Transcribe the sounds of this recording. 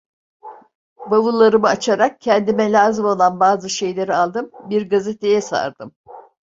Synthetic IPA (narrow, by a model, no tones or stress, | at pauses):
bavulˠːaɾɯmɯat͡ʃʰaɾak̚cʰɛnd̪imɛlʲaːzimo̞lˠanbaːzɯʃe̞jlʲe̞ɾialˠd̪ɯmbiɾɡazet̪ʰe̞jɛsa̰ɾd̪ɯm